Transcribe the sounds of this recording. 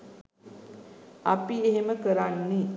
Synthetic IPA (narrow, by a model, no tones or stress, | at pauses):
apieɦeməkəɾanːi